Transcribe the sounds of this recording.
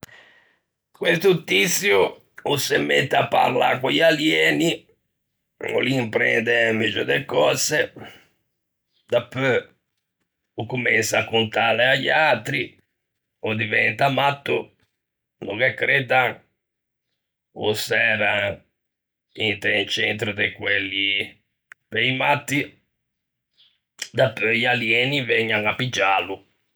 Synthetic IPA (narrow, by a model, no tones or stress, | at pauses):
kwest̪ut̪ːit̪sju | usemːet̪ːapːa̰ɾla̰kojaljɛːni | o̰limpɾɛ̰nd̪emːid͡ʒod̪ekɔːse | d̪apːø | ukːumɛnsakːunt̪aːleaʎːat̪ɾi | ɔd̪ivɛnt̪amat̪ːṵ | nukɛkːɾɛd̪aŋ | ṵsɛːɾa | int̪ɛnt͡ʃɛnt̪ɾud̪ekwelːi | peimat̪ːi | d̪apːøjaljɛːnivɛɲːaŋapːid͡ʒːalu